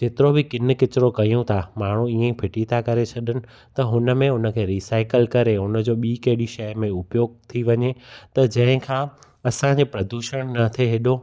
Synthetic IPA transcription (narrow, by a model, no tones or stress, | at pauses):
d͡ʑeːt̪ɪɾobɪkɪnɪ̆kɪt͡ɕɪɾokɐijũt̪ʰamaːɳ̤uiːẽpʰɪʈit̪ʰakɐɾet͡ɕʰɐɗənɪ̆ | t̪ɐɦʊnə̆mẽʊnə̆kʰeːɾiːsaːɪkəlkɐɾeɦʊnəd͡ʑoːɓiːkɐɦɪɗiʃɐjmẽʊpjoːɡ̚t̪ʰiʋɐɲet̪ɐd͡ʑɐ̃ɦɪ̃kʰãː | ɐsãɲd͡ʑepɾɐd̪uːʃəɽ̃nɐt̪ʰeɦeːɗo